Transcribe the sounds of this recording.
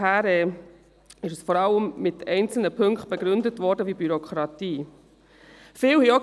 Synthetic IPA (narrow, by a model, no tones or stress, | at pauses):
æːɾɛ | ɪʃəsfɔɾɑlːəmmɪtɛɪnt͡sl̩nəpʰɵŋkχt̚b̥ɛɡɾʏndətvʋɔːɾdəʋiːbyɾɔkχɾɑtiː | fɪːlhio